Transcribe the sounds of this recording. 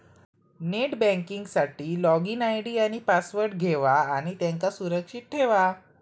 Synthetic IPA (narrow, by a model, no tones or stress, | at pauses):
neʈbɛ̃ŋkiŋɡsaʈiːlɔɡinajɽiːaɽ̃ipasʋəɾʈɡʱeʋaːɽ̃it̪jãŋkasuɾəkʂit̪̚ʈʰeʋa